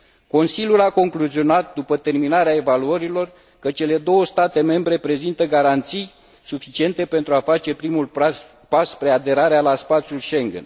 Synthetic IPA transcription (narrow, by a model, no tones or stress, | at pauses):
ko̞nsilʲjulako̞ŋkluzio̞nat̪̚d̪upət̪e̞rminaɾeae̞valuəɾilo̞r | kət͡ʃe̞le̞d̪o̞wəst̪at̪e̞me̞mbɾe̞pɾe̞zint̪əɡaɾant̪sij | sufit͡ʃie̞nt̪e̞pe̞nt̪ɾuafat͡ʃe̞pɾimul | paspɾead̪e̞ɾaɾealaspat̪sʲjulʃe̞ŋɡḛn